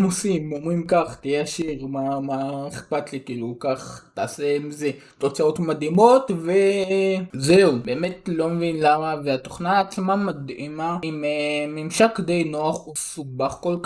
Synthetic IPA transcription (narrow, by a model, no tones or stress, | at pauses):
mosimomʁimkaχt̪ejaʃiʁmamaeχpatlikiːlukaχt̪aːsemize | t̪o̞t͡sao̞tmad̪imo̞tve | zeube̞ːmetlo̞mevinlamaveat̪oχnaːt͡smamad̪imaimemimʃakd̪e̞jnoaχusubaχkolk